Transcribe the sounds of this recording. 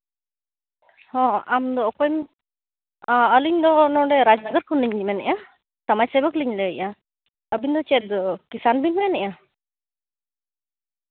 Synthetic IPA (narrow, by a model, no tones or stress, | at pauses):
hɔ̃amd̪ɔkɔjm | əliɲd̪ɔnɔ̃ɖɛɾad͡ʒnəɡəɾkʰɔnliɲlimɛnɛ̰ʔa | t̪amajsɛbəkliɲlɛəjʔa | əbind̪ɔt͡ʃɛd̪kisanbiɲmɛnɛʔa